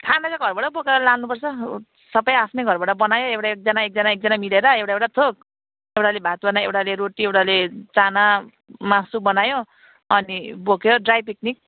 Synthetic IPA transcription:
kʰanat͡sʌɡʱʌrbaʈʌbokeɾʌlalnupʌrt͡sʰʌ | sʌbʌjapʰnejɡʱʌrbaʈʌbʌnajoewʈaek̚d͡zanaek̚d͡zʌnaek̚d͡zanamileɾʌewʈaewʈat̪ʰok̚ | ewʈalebʱat̪wanaewʈaleɾoʈiewʈalet͡sana | masubʌnajo | ʌnibokjoɖrajpiknik̚

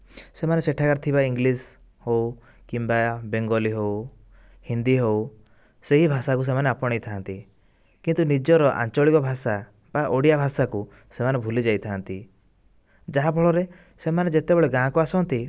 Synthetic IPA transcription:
semaneseʈʰakaɾt̪ʰibaiŋɡlis | how | kimbabeŋɡɔliɦow | hind̪iɦow | seɦibʱasakus̬emaneapɔɽ̃ejt̪ʰant̪i | kint̪unid͡ʒɔɾɔʔa̰nt͡ʃɔɭikɔbʱasa | baʔoɽijabʱasaku | semanebʱulid͡ʒajt̪ʰant̪i | d͡ʒaɦabʱɔɭɔɾe | semaned͡ʒet̪ebɔɭeɡãkuasɔnt̪i

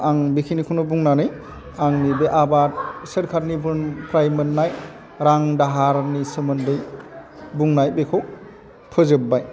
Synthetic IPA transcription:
aŋbikʰinikʰunobuŋnanɯj | aŋnibeʔabat̚seɾkʰaɾnibɯnpʰɾajmɯnːaj | ɾaŋdaɦaɾnisɯmɯndɯj | buŋnajbekʰow | pʰɯzɯbːaj

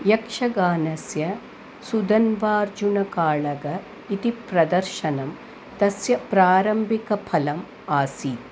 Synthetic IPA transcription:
jɐkʂɐɡaːnɐsjɐ | sud̪ɐnʋaːɾd͡ʒunɐkaːɭɐɡɐ | it̪ipɾɐd̪ɐɾʃɐnɐm | t̪ɐsjɐpɾaːɾɐmbʱikɐpʰɐlɐm | aːsiːt̪̚

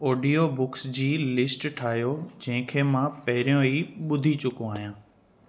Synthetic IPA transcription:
oːɖijobʊksd͡ʑiːlɪsʈʈʰaːɦjod͡ʑɐ̃ɦɪ̃kʰeːmãpɐɦɪɾijõiːɓʊd̪ʱit͡ɕʊkõaːɦijãː

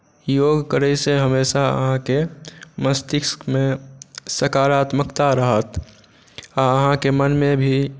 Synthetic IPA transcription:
joːɡkəɾəjseɦəmeːʃaə̰ɦãkeməst̪ɪksmẽsəkaːɾaːt̪məkt̪aɾəɦət̪ | aəɦãkemənmẽbʱi

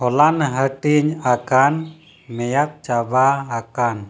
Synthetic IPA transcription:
hɔlanɦəʈiɲakan | mɛjat̪̚t͡ʃabaːkan

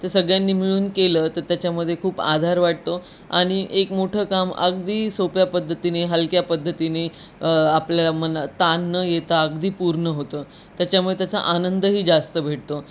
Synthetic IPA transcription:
t̪əɾsəɡɭjanːiːmiɭuːnkeləːt̪əɾt̪jat͡ɕjaməd̪ʱːjekʰuːpa̰d̪ʱaɾʋaʈ̚t̪o | a̰ɽ̃iʔekmoʈʰəːkamə̰ɡ̚d̪iːsopjapəd̪ʱːət̪ineɦəlkjapəd̪ʱːət̪ine | apljalamənət̪anːəjet̪aəɡd̪iːpuɾɳəɦot̪əː | t̪jat͡ɕamujet̪jat͡sa̰ʔanənd̪əɦiːd͡zast̪əbʱeʈ̚t̪o

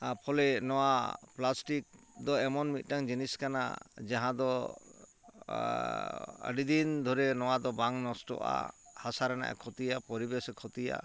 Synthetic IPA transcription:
pʰɔlɛnɔwaplasʈik̚ | d̪ɔɛmɔnmit̪̚ˀʈaŋd͡ʒiniskana̰d͡ʒaɦãd̪ɔ | ə̰ɖid̪ind̪ʱɔɾɛnɔwad̪ɔbaŋnɔsʈɔ̰ʔa̰hasaɾɛna̰ʔɛ̰kʰɔt̪ijapɔɾibɛsɔkʰɔt̪ija̰

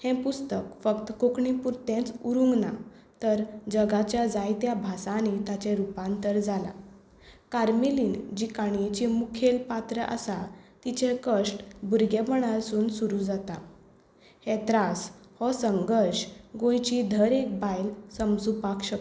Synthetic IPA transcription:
hɛ̃pust̪əkfəkt̪əkokɳipuɾt̪ẽt͡suɾuŋɡna̰ | t̪əɾd͡ʑəɡat͡ɕjad͡zajt̪jabʱasanet̪at͡ɕeɾupãnt̪əɾd͡zala̰ | kaɾmiliːnd͡ʑikaɳ̃et͡ɕimukʰelpat̪ɾəʔə̰sat̪it͡ɕekəʂʈbuɾɡɛpəɽ̃asuːnsuɾud͡zat̪a | hɛt̪ɾashɔsəŋɡəɾɕɡõjt͡ɕid̪ʱəɾek̚bajlsəmsupakɕək

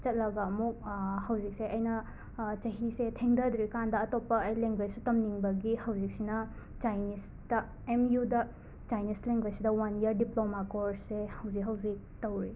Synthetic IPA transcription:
t͡ʃɐt̚lɐɡɐːmuk̚hɐwd͡ʒik̚seʔɐjnɐ | t͡ʃɐɦisetʰeŋdɐdɾikandɐːtopːɐɐjleŋɡwed͡ʒsutɐmniŋbɐɡihɐwd͡ʒik̚sinɐ | t͡ʃajnis | tɐ | emjudɐ | t͡ʃajnisleŋɡwed͡ʒsidɐwaniɐɾdiplomakoɾsehɐwzikɦɐwzik̚tɐwɾi

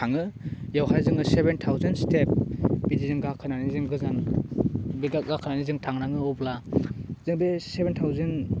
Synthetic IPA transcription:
aŋɯjawɦajzɯŋɯsebentʰawzenstep̚bidizɯŋɡakʰɯnanizɯŋɡɯzan | biɡaɡakʰɯnanizɯŋtʰaŋnaŋɯɔblaz̥ɯŋbesebentʰawzen

